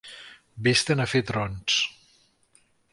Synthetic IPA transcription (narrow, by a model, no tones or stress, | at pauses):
best̪ənəfet̪ɾɔns